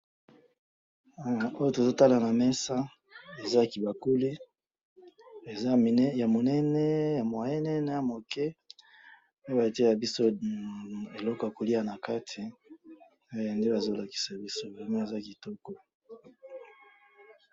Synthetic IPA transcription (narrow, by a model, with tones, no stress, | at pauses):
o˦jo˦to˨zo˦ta˦la˨na˨mɛ˦sa˦ | e˨za˦˨ki˨ba˨ku˦li˦ | e˨za˦m˨˦ja˨mo˨nɛ˦nɛ˦ja˨mwa˨jɛ˦nɛ˦na˨ja˨mo˨kɛ˦ | o˦jo˦ba˨te˦a˨bi˦so˦ | e˨lɔ˦kɔ˨ja˨ko˨li˦a˨na˨ka˦tʰi˨ | o˦˨a˨nde˦ba˨zo˦la˨ki̥˨sa˨bi˦so˦bi˨˦ma˦e˨za˦˨ki˨tɔ˦kɔ˦